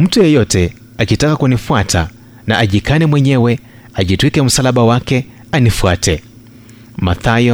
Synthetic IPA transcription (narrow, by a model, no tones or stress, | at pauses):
m̩tujɛjɔtɛ | akitakakunifuatʰa | naʔaʄikanɛmwɛɲɛwɛ | aʄitwikɛm̩salaɓawakɛ | anifuatɛ | maθajɔ